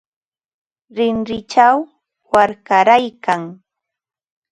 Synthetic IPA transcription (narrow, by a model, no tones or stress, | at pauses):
ɾɪnɾɪt͡ʃaw | waɾkaɾajkaŋ